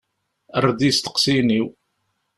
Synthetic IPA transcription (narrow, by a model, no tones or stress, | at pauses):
əɾˤd̪ist̪ə̥qsiniw